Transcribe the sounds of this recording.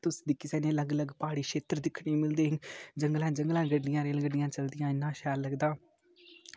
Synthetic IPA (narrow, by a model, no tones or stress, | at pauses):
t̪ʊsd̪ɪkisɛːneːləɡələɡpaːɽiːʃeːt̪əɾd̪ɪkʰɳiːmɪld̪eːɦɪŋɡd͡ʒəŋɡlɛ̃ːd͡ʒəŋɡlɛ̃ːɡəɖːɪjãːɾeːlɡəɖɪjãːt͡ʃəld̪ɪjãːɪnːãːʃɛːlːəɡd̪aː